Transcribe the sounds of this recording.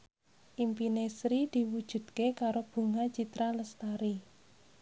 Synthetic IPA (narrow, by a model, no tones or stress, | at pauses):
ʔimpinesɾid̪̥i̤wud̥ʒ̥ṳd̪̥̚kekaɾob̥ṳŋat͡ʃit̪ɾaləst̪aɾi